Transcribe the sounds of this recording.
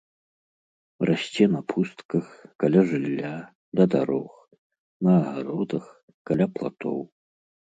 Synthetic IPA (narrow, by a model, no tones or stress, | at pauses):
rʔasʲt͡sʲɛnɐpʰust̪kɐxkalʲaʐɨlʲːa | d̪ɐd̪a̰ɾɔx | nɐːɣaɾɔd̪ɐx | kalʲaplˠa̰t̪ɔ̰w